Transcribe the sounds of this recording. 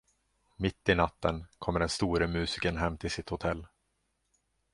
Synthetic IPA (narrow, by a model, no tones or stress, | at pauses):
mɪt̪ːɪnat̪ːənkʰɔmːəɖɛnst̪uːɾəmʉ̟ːsɪkənɦɛmːt̪ʰɪlsɪt̪hʊt̪ʰɛlː